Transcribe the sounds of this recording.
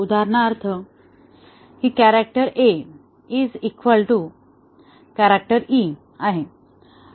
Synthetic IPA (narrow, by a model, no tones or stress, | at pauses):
ud̪aɾɳaːɾt̪ʰə | hikæɾak̚ʈəɾe | id͡zikʋəlʈu | kæɾak̚ʈəɾi | aɦe